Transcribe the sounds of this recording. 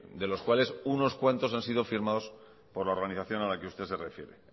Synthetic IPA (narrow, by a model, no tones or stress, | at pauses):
d̪e̞lo̞skwale̞suno̞skwe̞nt̪o̞sansiðo̞fiɾmaðo̞s | po̞ɾlao̞ɾɣaniθaθjo̞nalakeust̪e̞se̞refje̞ɾḛ